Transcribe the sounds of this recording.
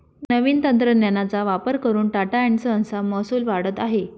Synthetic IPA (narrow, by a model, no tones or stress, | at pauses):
nəʋiːnt̪ənt̪ɾənjanat͡saʋapəɾkəɾuːnʈaʈaeɳsəə̃nsaməsuːlʋaɽ̤ət̪aɦe